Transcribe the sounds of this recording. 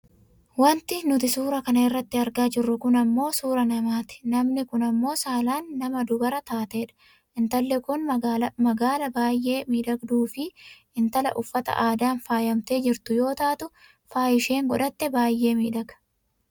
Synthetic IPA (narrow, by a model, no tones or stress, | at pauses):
wɐnt̪ɪnʊt̪ɪsuːɾɐkɐnɐɪrːɐt̪ːɪɐɾɡaːd͡ʒɪrːʊkʊnɐmːo̞ːsuːɾɐnɐmaːt̪ɪ̥nɐmnɪkʊnɐmːo̞ːsaːlaːnːɐmɐd̪ʊbɐɾɐt̪aːt̪e̞ːᶑɐ̥ | ʔɪnt̪ɐlːɛkʊnmɐɡaːlɐbaːjːe̞ːmiːᶑɐɡd̪uːfɪ | ɪnt̪ɐlɐ̰ʔʊfːɐt̪ɐ̰ʔaːd̪aːnfaːjɐmt̪e̞ːd͡ʒɪɾt̪ʊjo̞ːt̪aːt̪ʊ | faːjɪʃe̞ːŋɡɔᶑɐt̪ːɛbaːjːe̞ːmiːᶑɐɡɐ̥